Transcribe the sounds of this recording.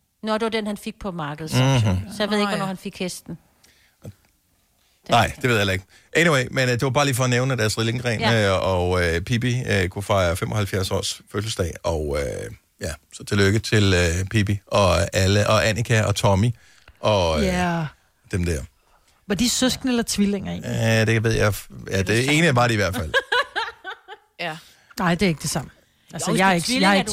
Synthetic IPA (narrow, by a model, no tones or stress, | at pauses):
nɔd̥e̝ʋɐd̥enhænfeɡ̥̚pʰɒ̽mɑ̈ːɡ̥əð̩ˠsɒjaʋe̝ð̰ˠeɡʋnɔhænfe̝ɡ̥hesd̥n̩ | nɑ̈ɪ̰d̥eʋe̝ðˠhælɐeɡ̥ | ʔeniweɪmend̥e̝ʋɑ̈b̥ɑ̈ːliːfɒ̽ːneʊnəd̥æɐsʁileŋɡʰʁɛ̰ːnɒøpʰib̥iøkʰufɑ̈ɪɐfemʔɒ̽hælfjæɐsɒ̰ːsføsl̩sd̥ɛ̰ɪɒ̽ʊø | jæsɒ̽t͡sʰe̝løɡ̥ət͡sʰe̝løpʰib̥iɒ̽æləʔɒ̽ʔænʔikʰæʔɒ̽t͡sʰɒmi | ʔɒ̽ | d̥emd̥æɐ | ʋɑ̈d̥isøsɡ̥nəelɐt͡sʰʋileŋ̰ɐe̝̰ːniæd̥ekʰæʋe̝ð̞̰ˠjajæd̥e̝e̝ːnəjab̥ɑ̈ːɾe̝iʋæɐ̰d̥fæl̰ | nɑ̈ɪ̰d̥e̝e̝ɡ̥d̥e̝sɑ̈m̰n̩ | ælsəjɑɡ̥jɑɡ